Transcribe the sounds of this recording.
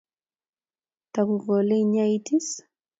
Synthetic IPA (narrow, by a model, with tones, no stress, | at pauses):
ta˨ku˨ɣɔ˨le˦iɲa˦iti˦s